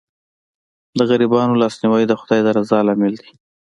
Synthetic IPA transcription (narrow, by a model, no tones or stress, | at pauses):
d̪əɣaɾibɑnolɑsniwajd̪əxʊd̪ɑjd̪əɾazɑlɑmɪld̪i̥